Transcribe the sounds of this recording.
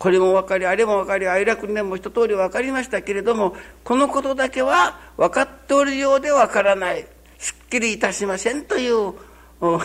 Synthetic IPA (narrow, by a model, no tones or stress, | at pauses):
ko̞ɾe̞mo̞βakaɾʲiaɾe̞mo̞βakaɾʲiaiɾakɯnd̪emoçi̥t̪o̞t̪o̞ːɾʲiβakaɾʲimaɕi̥t̪ake̞ɾe̞d̪o̞mo̞ko̞no̞ko̞t̪o̞d̪ake̞βa | βakat̪ːe̞oɾɯ̟jo̞ːd̪e̞βakaɾanai | ɕɨ̥kʲːiɾʲiːt̪aɕimasẽ̞nt̪o̞jɯ̟ː